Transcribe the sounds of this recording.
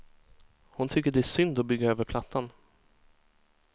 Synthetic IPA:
hʊnt̪ʰʏkːəɖɛæʂʏnd̪ɔbʏɡːaøːvəɾpʰlat̪ʰːan

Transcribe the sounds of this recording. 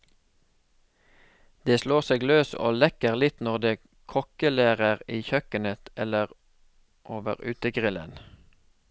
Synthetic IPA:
d̪̥eːsloːʁseːɡløːso̰ːlɛkəʁlɪt̪nɔʁd̪eː | kʰɔkəleːʁəʁiːçœkənət̪ɛləʁ | ʔoːʋə̰ʁʉːt̪əɡʁɪlə̰n

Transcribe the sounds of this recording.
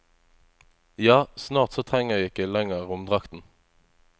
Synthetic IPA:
jɑːsnɑːʁt̪sot̪ʰʁɛŋəʁjɪkːəlɛŋəʁʊmd̪ʁɑkt̪n̩

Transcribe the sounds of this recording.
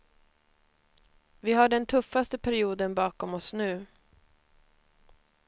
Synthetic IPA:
vɪɦaɖɛnt̪ʰɵfːast̪əpʰæɾɪuːd̪ənbɑːkɔmɔsnʉ̟ː

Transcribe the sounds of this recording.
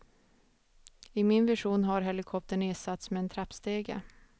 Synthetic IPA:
ɪmɪnvɪʂuːnɦaɾɦɛlɪkʰɔp̚t̪əɳɪːsat̪smɛːnt̪ʰɾapst̪eːɡə̰

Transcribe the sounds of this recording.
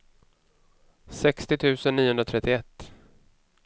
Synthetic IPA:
sɛkst̪ɪt̪ʰʉ̟ːsənːiːʊhɵnɾat̪ʰɾɛt̪ːɪɛt̪ː

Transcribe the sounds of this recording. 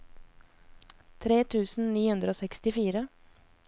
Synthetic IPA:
t̪ʰɾeːt̪ʰʉːsn̩niːhʉnd̪ɾəoːsɛkst̪ɪfiːɾə

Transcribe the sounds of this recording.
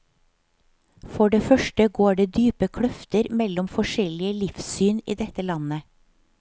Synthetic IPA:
fɔɖeːfœʃʈəɡoːɖeːd̪yːpəkʰɽœft̪əɾmɛlɔmfɔʃɛlɪəlɪfsyːnḭːd̪ɛt̪əlɑnə

